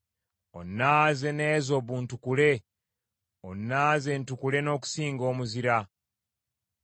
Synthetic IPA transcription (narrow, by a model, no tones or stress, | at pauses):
o̞nːaːze̞ne̞ːzo̞βuntukule̞ | onːaːze̞ntukule̞no̞ːku̥siːŋɡo̞ːmuziɾa